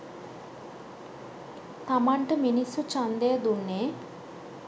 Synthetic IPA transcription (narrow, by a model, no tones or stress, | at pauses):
t̪ɐmɐɳʈɐminisut͡ʃɐnd̪eːd̪unːe